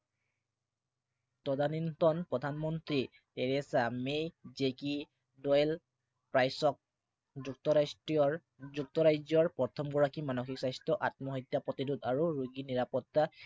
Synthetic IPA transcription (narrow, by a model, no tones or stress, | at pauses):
tɔdanintɔnpɹɔdʱanmɔntɹi | teɹɛsamejzeki | dɔjl | pɹajsɔk̚ | zuk̚tɔasiɔ | zuk̚tɔɹajd͡ʒɔɹpɔtʰɔmɡɔɹakimanɔxiksajstɹɔʔatmɔɦitjapɹɔtidudaɹuɹuɡiniɹapɔtːa